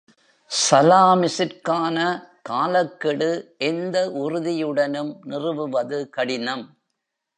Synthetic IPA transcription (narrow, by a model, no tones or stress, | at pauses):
sɐlaːmɪsɪɾkaːnɐkaːlɐkːɪɽɯʔɛnd̪ɐʔʊrʊðɪjɯɽɐnɯmnɪrɯʋɯʋɐðɯkɐɽɪnɐm